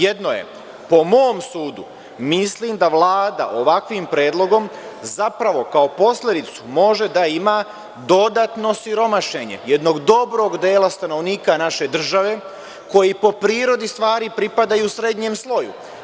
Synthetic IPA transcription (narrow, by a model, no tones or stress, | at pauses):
jed̪no̞je̞̰ | po̞mo̞ːmsuːd̪u | misliːmd̪aʋlˠaːd̪a̰ʔo̞ʋakʋimpɾe̞ːd̪lˠo̞ɡo̞mzapɾaʋo̞kao̞po̞slʲed̪it̪su̥mo̞ʒe̞d̪aima | d̪o̞d̪at̪no̞siɾo̞maʃe̞ɲe̞̰jed̪no̞ɡd̪o̞bɾo̞ɡd̪eːlast̪ano̞ʋniːkanaʃe̞d̪r̩ʒaʋe̞ | ko̞jipo̞pɾiːɾo̞d̪ist̪ʋaːɾipɾipad̪ajusɾe̞d̪ɲemslˠo̞jṵ